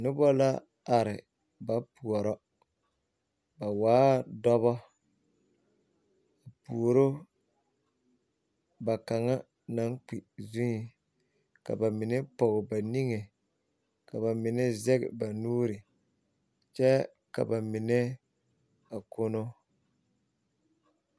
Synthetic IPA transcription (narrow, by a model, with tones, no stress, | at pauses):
nʊ˦bɔ˦la˦ | a˨ɾɪ˨ | ba˨pu˨ɔ˨ɾɔ˦ | ba˨waː˦dɔ˦βɔ˦ | a˨pu˨o˨ɾo˦ | ba˨ka˨ŋa˦ | na˨˦ŋk͡pi˨zu˦ɲi˨ | ka̰˨ba˨mɪ˨ne˦pɔ˨ɣɪ˨ba˨ni˦ŋe˨ | ka˨βa˨mɪ˨nɛ˦zɛ˦ɣɪ̰˨ba˨nuː˦ɾi˨ | t͡ʃɛ˦ | ka̰˨ba˨mɪ˨nɛ˦ | a˨ko˦no˦